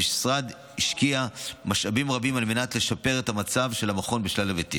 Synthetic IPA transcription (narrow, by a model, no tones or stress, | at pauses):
iʃsʁad̪ | hiʃkiamaʃabimʁabimalme̞natle̞ʃape̞ʁetamat͡savʃe̞lamaχo̞nbiʃlalavetḭ